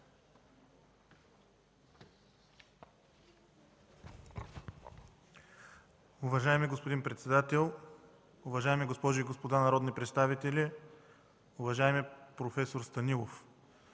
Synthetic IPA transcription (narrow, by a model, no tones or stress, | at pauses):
ʊvɐʒaɛmiɡospod̪inpɾɛt̪sɛd̪at̪ɛlˠ | ʊvɐʒaɛmiɡospɔʒʊiɡospod̪anɐɾɔd̪nipɾɛt̪st̪avit̪ɛlʲi | ʊvɐʒaɛmɛpɾofɛsoɾst̪ɐnilˠof